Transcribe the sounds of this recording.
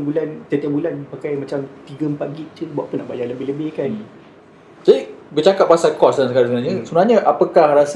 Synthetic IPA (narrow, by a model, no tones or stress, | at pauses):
bulant̪ət̪iabulanpakajmãt͡ʃamt̪iɡəəmpat̪̚ɡit̪̚t͡ʃubua̰ʔpunːaʔbajaləbɪhləbɪhkan | d͡ʒadibət͡ʃakat̚pasalkɔslaŋsəkaɾasunaɲəsunaɲəʔapəkahras